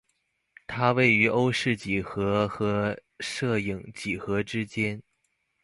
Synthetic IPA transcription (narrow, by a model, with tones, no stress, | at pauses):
t̪ʰa˥we˥˩ɪy˧˥ʔo˥ʊʂɻ̩˥˩t͡ɕi˨˩xɤ˧˥xɤ˧˥ʂɤ˥˩ji˨˩ŋt͡ɕi˨˩xɤ˧˥ʈ͡ʂɻ̩˥t͡ɕjɛ˥n